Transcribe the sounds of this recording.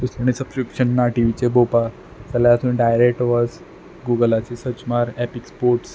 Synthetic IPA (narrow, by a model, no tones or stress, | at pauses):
t̪usəɳ̃isəb̥skɾipɕənːaʈiʋit͡ɕebopa | t͡səljat̪uiɖajɾek̚ʈʋɔd͡z | ɡuɡəlat͡sesət͡ɕmaɾɛpikspoɾʈs